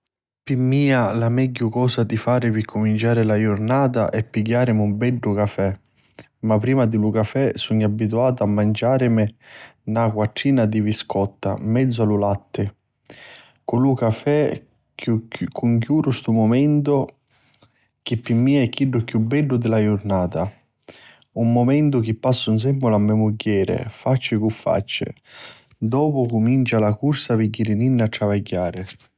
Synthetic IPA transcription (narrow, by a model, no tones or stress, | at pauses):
pimːiːalamɛɟːʊkɔːsad̪ifaːɾɪpɪkʰːʊmint͡ʃaːɾɪlajʊɾnaːt̪̬a̰ʔɛpːiɡːaːɾɪmɪumbɛɖːʊkafɛ | mapːɾiːmad̪ɪlukafɛsuɲːabːit̪uaːt̪ʊamːand͡ʒaːɾɪmɪnakwaʈːiːnad̪iviskɔt̪ːa̰mːɛd̪zːʊalulat̪ːɪ | kʊlukafɛ | kukːuŋk̬juːɾʊst̪umʊmɛnt̪ʊ | k̟ɪpːimːiːaɛkːiɖːʊkjubːɛɖːʊd̪ɪlajʊɾnaːt̪a | umːomɛnt̪ʊk̟ɪpːasːʊns̬ɛmːʊlamːɛmuɟːɛːɾɪ̰fat͡ʃːɪkufːa̰t͡ʃːɪ̰ | d̪ɔːpʊkʊmint͡ʃalakuɾsapɪɟːiɾininːaʈ̪ːɾavaɟːaːɾɪ